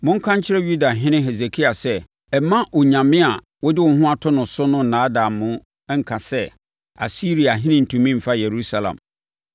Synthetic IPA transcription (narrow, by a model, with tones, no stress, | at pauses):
mʊ̃˦ŋ̩˦kʰã˦ɲ˦t͡ɕʰɪ˦ɾɛ˦ju˦da˨ɦɪ̃˦nɪ̃˦ɦe˨ze˨kʰi˦a˨sɛ˦ | ɛ˨mã˦ʔɔ˨ɲã˨mɪ̃˦a˨ | wɔ˦dɪ˦wɔ˨˦ɦʊ̃˦a˨tʰʊ˦nʊ̃˨sʊ˦nʊ̃˦n̩˨nãː˨˦dã˨mːʊ̃˦ | ɛ˦ŋ̩˨kʰã˨sɛ˦ | a̰˨si˦ɾi˨a˨ɦɪ̃˦nɪ̃˦n̩˨tʰũ˨mĩ˦m̩˨fa˦je˨ɾu˦sa˨lã̰˨m